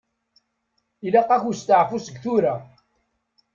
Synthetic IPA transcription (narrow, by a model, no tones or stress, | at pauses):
ilaqːɑçust̪aʕfusəɡθuɾa